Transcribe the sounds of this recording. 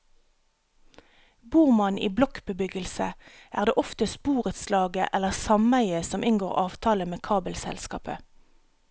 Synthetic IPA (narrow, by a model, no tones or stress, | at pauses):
buːʁmɑnʔḭːblɔkbəbʏɡəlsə̰ʔæːʁd̪eːʔɔft̪əspuːʁət̪slɑːɡə̰ʔɛləʁsɑmæɪəsɔmʔɪnɡoːʁɑːʋt̪ʰɑːləmeːkʰɑːbəlsɛ̰lskɑ̰ːpə̰